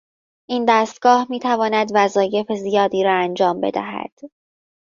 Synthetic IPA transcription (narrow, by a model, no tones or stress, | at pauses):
ʔiːnd̪æːst̪̚ɡ̥ɒːhmiːt̪ʰævɒːnæd̪væzɒːje̞fezijɒːd̪iːɾɒːænd͡ʒɒːmbe̞̰d̪æ̰ɦæ̰d̪̥